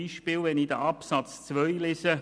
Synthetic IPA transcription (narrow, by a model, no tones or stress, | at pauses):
iːʃpiːlʋɛnidəʔɑpsɑt͡st͡svœjlɪsə